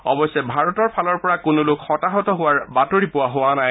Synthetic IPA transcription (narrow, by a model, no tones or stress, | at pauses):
ɔ̰bɔsɛbʱaɹɔtɔɹpʰalɔɹpɔɹakʊnʊlʊkxɔtaɦɔtɔɦʊwaɹbatoɹipʊwaɦʊwanaj